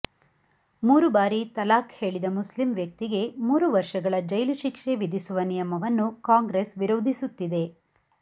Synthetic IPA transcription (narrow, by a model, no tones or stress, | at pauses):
muːɾubaːɾit̪ɐlaːkhe̞ːɭid̪ɐmuslimʋjɐk̚t̪iɡe̞muːɾuʋɐɾʂɐɡɐɭɐd͡ʒɐjluʃikʂeʋid̪ʱisuʋɐnijɐmɐʋɐnːukaːŋɡɾesʋiɾoːd̪ʱisut̪ːid̪e̞